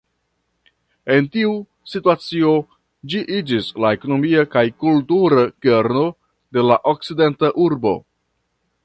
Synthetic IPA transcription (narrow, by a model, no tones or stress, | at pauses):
e̞ntiu | situat͡sio̞ | d͡ʒiʔid͡ʒislae̞ko̞no̞miakajkultuɾake̞ɾno̞ | de̞laʔo̞k̚t͡side̞ntaʔuɾbo̞̰